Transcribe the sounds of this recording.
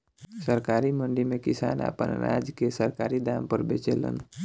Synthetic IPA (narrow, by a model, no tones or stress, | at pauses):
səɾkaːɾimə̃ɳɖimẽkɪsa̰ːna̰ːpə̰nɾa̰ːd͡ʒkesəɾkaːɾid̪aːmpəɾbeːt͡ʃelə̰n